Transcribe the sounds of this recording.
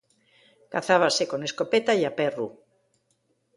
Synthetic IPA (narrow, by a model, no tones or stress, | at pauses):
kaθaβasekoneskopet̪aiaperṵ